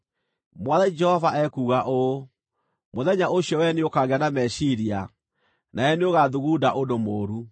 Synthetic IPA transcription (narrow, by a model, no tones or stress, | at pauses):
mwaðɛd͡ʒɛhɔvaʔɛkuːɣaʔo | moðɛɲaoɕjɔwɛneokaɣeanamɛɕiɾia | naɛneoɣaðuɣuːdaʔodomoːɾu